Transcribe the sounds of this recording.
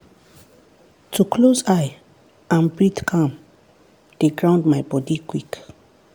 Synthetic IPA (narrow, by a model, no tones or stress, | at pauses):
tʰukʰlozaj | ãnbɹitkʰãm | d̥eɡɹãʊ̃ndmajbɔdikwik